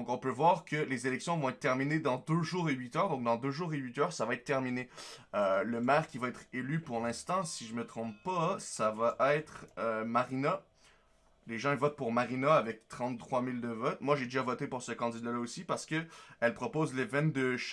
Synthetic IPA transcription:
d̪ɔ̃kɔ̃pøvwaʁkəlezelɛksjɔ̃vɔ̃ɛt̪̚t̪ːɛʁmined̪ɑ̃d̪øʒuːʁeɥit̪œʁd̪ɔ̃k̚d̪ɑ̃d̪øʒuːʁeɥit̪œːʁsavaɛt̪̚t̪ːɛʁmineøləmɛːʁkʲivaɛt̪χelypuʁlɛ̃st̪ɑ̃siʒəmət̪χɔ̃ppasavaʔɛt̪χømaʁina | leʒɑ̃ivɔt̪̚puʁmaʁinaavɛk̚t̪χɑ̃t̪t̪ːχwamild̪əvɔt̪̚mwaʒed̪eʒavɔt̪epuʁsəkɑ̃d̪id̪alaosipaʁsə̥kəɛlpχɔpoːzlevɛ̃nd̪əʃ

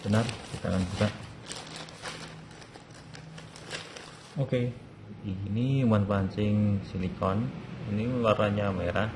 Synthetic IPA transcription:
b̥ənərkit̪a̰ŋanbut̪aʔ | oke | inimanpaɲt͡ʃɪŋsilikɔniniwaraɲameɾah

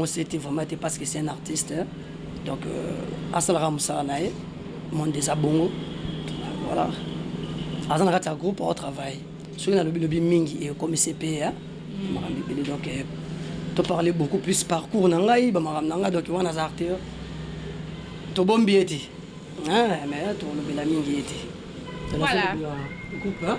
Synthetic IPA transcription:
ŋosetevʁɛmãetepaskesɛɛ̃naʁtist | d̥ɔ̃ka̰salakamosalanaje | mɔ̃ndezaboŋɡo | wa̰la̰ | azanakatijaɡʁupao̰tʁavaj | sɔkinalobilobimiŋɡiekomisepea | omakambibeledɔ̃kɛ | topaʁlebokuplyspaʁkuʁnaŋɡaibamakambinaŋɡadɔ̃kɛwanazaʁtej | tobombiete | ɛmɛtokolobelamiŋɡiete̥ | tolakeɡup

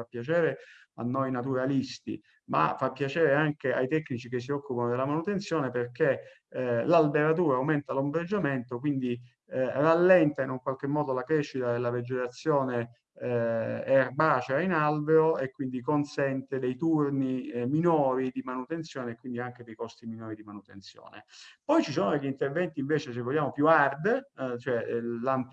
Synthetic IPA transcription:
apːjat͡ʃɛːɾe | a̰nːojnat̪̬uɾalist̪ḭ | ma̰fapːjat͡ʃɛːɾeaŋkea̰jt̪ɛkːnit͡ʃik̟es̬ːiɔkːupanod̪elːamanut̪entsjɔːneperke | lalbeɾat̪̬uːɾaːwment̪alombɾed͡ʒːament̪ok̬wind̪i | ralːɛnt̪ainuŋkwalk̟emːɔːd̪olakɾɛʃːit̪ad̪elːaved͡ʒet̪at̪sːjɔːne | ɛrbaːt͡ʃeainalbeoekːwind̪ikonsɛnt̪ed̪ejt̪urniminɔːɾid̪imanut̪ent̪sjɔːneːkːwind̪iaŋk̟ed̪ejkɔst̪iminɔːɾid̪imanut̪ent̪sjɔ̰ːnḛpɔjt͡ʃisoːnod̪eʎːint̪ervɛnt̪iɱveːt͡ʃesevːoʎːaːmopjuard̪t͡ʃoɛlam

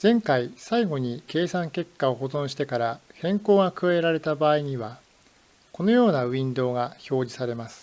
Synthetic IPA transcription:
z̥ẽ̞ŋkaisaiɡo̞ɲ̟ike̞ːsãŋke̞kːao̞ɦo̞zõ̞ɕi̥t̪e̞kaɾahẽ̞ŋko̞ːɡakɯ̟βaeɾaɾe̞t̪abaːiɲ̟iβa | ko̞no̞jo̞ːnaɯ̟ĩnd̪o̞ːɡaço̞ːd͡ʑisaɾe̞masɨ̥

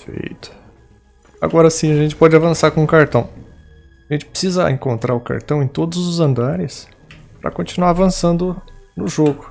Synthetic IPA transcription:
efḛjt̪ʊ̥ | a̰ɡɔɾɐsĩɐʒẽnt͡ʃɪ̥pɔd͡ʒɪavɐ̃saɾkõʊkaɾt̪ɐ̃w̃ | aʒẽnt͡ʃɪ̥pɾe̥sizɐẽkõnt̪ɾaɾʊka̰ɾt̪ɐ̃w̃ẽj̃t̪od̪ʊzʊzɐ̃nd̪aɾɪs | pɾɐ̰kõnt͡ʃinuaɾvɐ̃sɐ̃nd̪ʊnʊʒoɡʊ

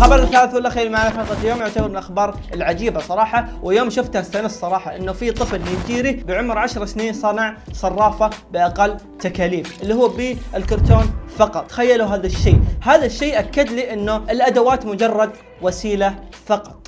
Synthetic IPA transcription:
xɑbɑɾˤɪθːaːlɪθwalːaxeːɾmaʕnafɑqɑt̪ˤljoːmjʊʕt̪abɑɾbɪlʔaxbɑːɾˤ | ɪlʕad͡ʒiːbasˤɑɾˤɑːħɑwʔɪljoːmʃʊft̪hast̪anɪssːˤɑɾˤɑːħɑʔɪnːʊfit̪ˤɨflnid͡ʒiːɾibɪʕʊmɾʕaʃɾˤɑsniːnsˤɑnɑʕsˤɑrˤːɑːfabɪʔaqalː | t̪akaːliːmʔɪlːihuːbiɪlkʊɾˤt̪oːnfɑqɑt̪ˤːxajːaluɦaːðaʃːeːhaːðaʃːeːʔakːad̪liːʔɪnːuɪlʔad̪awaːt̪mʊd͡ʒɑrˤːɑd̪̚ | wasiːlafɑqɑ̥t̪ˤ

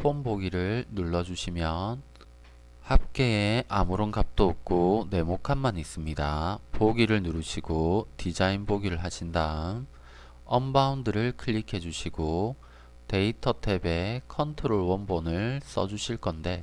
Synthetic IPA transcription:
pʰomboɡiɾɯɭnuɭːʌd͡ʑuɕʰimjʌn | hap̚k͈e̞ːʔamuɾʌnkap̚t͈ook̚k͈one̞mokʰanmanis͈ɯmɲidapoɡiɾɯɭnuɾɯɕʰiɡotid͡ʑainboɡiɾɯɭɦaɕʰindaɯn | ʌmbaundɯɾɯɭkʰɯɭːikʰe̞d͡ʑuɕʰiɡo | te̞itʰʌtʰebe̞kʰʌntʰɯɾoɭwʌnbonɯɭs͈ʌd͡ʑuɕʰiɭk͈ʌnde̞

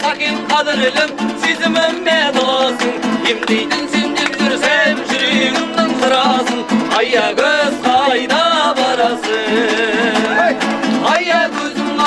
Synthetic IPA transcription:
sʰɑqiqʰɑd̪ɪɾɪlɪmsezɪmɪmːed̪osəŋkʰemd̪ejd̪ɪnsend̪enʒʏɾsemʒʏɾeŋɪzd̪ɪnsəɾɑsəɴɑjɑkʲʰøzqʰɑjd̪ɑbɑɾɑsə | ɑjɑkʰɵzɪmɑ

